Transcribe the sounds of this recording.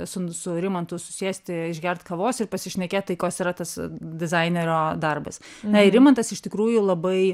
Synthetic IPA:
sʊsʊɾʲɪmɐnt̪ʊsʊ̥sʲiɛsʲt̪ʲɪɪʒʲɡʲɛrt̪kɐʋoːsɪrpɐsʲɪʃʲnʲɛkʲeːt̪̚t̪ːɐɪkoːsiɾɐt̪ɐsd̪ʲɪzɐɪnʲɛɾʲoːd̪ɐrbɐs | nɐɪɾʲɪmɐnt̪ɐsɪʃt̪ʲɪkɾuːjʊlˠɐbɐɪ

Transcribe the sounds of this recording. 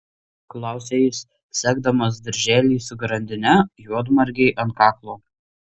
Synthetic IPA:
klˠɑˑʊsʲeːjɪs | sʲæːɡd̪ɐmɐsd̪ʲɐɾʲʒʲæːlʲiːsʊɡɾɐnʲd̪ʲɪnʲɛjuɔd̪mɐɾʲɡʲɛɪʔɐnt̪kɑːklˠoː

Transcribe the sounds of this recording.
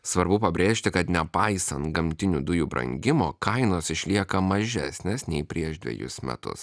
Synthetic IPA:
sʋɐɾbʊpɐbʲɾʲeːʃʲt̪ʲɪkɐt̪nʲɛpɑɪsɐnt̪ɡɐmʲt̪ʲɪnʲuːd̪ʊjuːbɾɐ̰ŋʲɡʲɪmoːkɐɪnoːsɪʃʲlʲiɛkɐmɐʒʲæsʲnʲeːsnʲɛɪpʲɾʲiɛʒd̪ʲʋʲɛ̰jʊ̰smʲɛ̰t̪ʊ̰s

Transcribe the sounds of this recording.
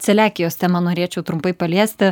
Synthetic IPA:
t͡ssʲɛlʲæːkʲɪjoːst̪ʲɛmɐnoːɾʲeːt͡ʃʲɛʊt̪ɾʊmpɐɪpɐlʲiɛsʲt̪ʲɪ

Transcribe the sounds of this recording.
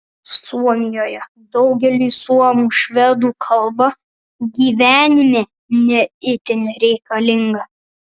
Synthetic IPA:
suɔmʲɪjoːjɛ | d̪ɒʊɡʲɛlʲiːsuɔmuːʃʲʋʲɛd̪uːkʰɐlˠbɐ | ɡʲiːʋʲæːnʲɪmʲeː | nʲɛɪt̪ʲɪnʲɪɾʲɛɪkɐlʲɪŋɡɐ

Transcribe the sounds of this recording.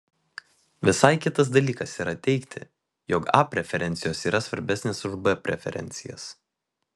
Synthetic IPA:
ʋʲɪsɐɪkʲɪt̪ɐs̬d̪ɐlʲiːkɐsiːɾɐt̪ʲɛɪkt̪ʲɪ̰ | jokɑ̰pʲɾʲɛfʲɛɾʲɛnʲt̪sʲɪjoːsiːɾɐsʋɐɾʲbʲɛsʲnʲeːsʊʒbɛpʲɾʲɛ̰fʲɛ̰ɾʲɛ̰nʲt̪sʲɪjɛ̰s

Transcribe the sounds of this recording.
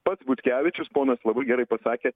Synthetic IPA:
pɐt̪sbʊt̪ʲkʲæːʋʲɪt͡ʃʲʊspoːnɐslˠɐbɐɪɡʲɛɾɐɪpɐsɑːkʲeː

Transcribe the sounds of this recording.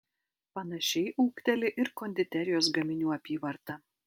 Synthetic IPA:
pɐnɐʃʲɛɪʔuːkt̪ʲɛlʲɪʔɪɾkoːnʲd̪ʲɪt̪ʲæɾʲɪjoːsɡɐmʲɪnʲuːɐpʲiːʋɐɾt̪ɐ

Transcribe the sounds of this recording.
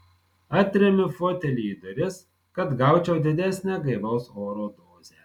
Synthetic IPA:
ɐt̪ʲɾʲɛmʲɪfoːt̪ʲɛlʲiːd̪ɐɾʲɪs | kɐt̪ɡɐˑʊt͡ʃʲɛʊd̪ʲɪd̪ʲæsʲnʲæɡɐɪʋɐʊsoːɾoːd̪oːzʲɛ

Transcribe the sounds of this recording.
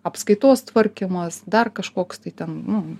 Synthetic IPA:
ɐpskɐɪt̪oːst̪ʋɐɾʲkʲɪmɐsd̪ɐrkɐʃkoːkst̪ɐɪt̪ʲɛnnʊ

